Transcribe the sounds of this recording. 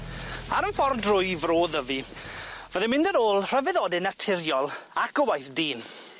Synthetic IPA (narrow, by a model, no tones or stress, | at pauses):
aɾənfɔrdrʊɨvroːðəvi | vəðɛmɪ̃ndəɾoːlˠr̥əvɛðoːdɛnatʰɪrjɔlˠakəwajθdiːn